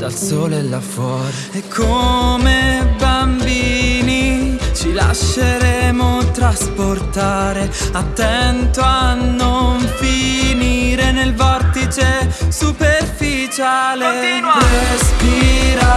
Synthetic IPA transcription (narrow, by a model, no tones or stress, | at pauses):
d̪̥a̰lsoːllːafɔːɾeɛkʰːomebambiːnit͡ʃila̰ʃːeɾɛmot̪ɾasport̪aːɾeat̪ːɛnt̪oanːoɱfiniːɾenelvɔrt̪it͡ʃesuperfi | t͡ʃaːleespiɾa